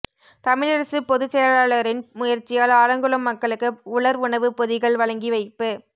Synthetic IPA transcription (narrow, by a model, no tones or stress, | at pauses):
t̪ɐmɪɻɐɾɐsɯpɔðɯsɛjɐɭaːɭɐɾɪnmʊjɐɾt͡ʃːɪjaːlaːɾɐŋɡɯɭɐmːɐkːɐɭɯkːɯʊɭɐɾʊɳɐʋɯpɔðɪɣɐɭʋɐɭɐŋɡiʋɐɪpːɯ